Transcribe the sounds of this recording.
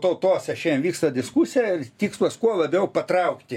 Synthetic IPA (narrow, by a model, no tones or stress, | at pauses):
t̪oʊt̪oːsʲɛʃʲɛːmʋʲiːkst̪ɐd̪ʲɪskuːsʲɪjɛɪrt̪ʲiːkslˠɐskuɔlˠɐbʲɛʊpɐt̪rɐʊkt̪ʲɪ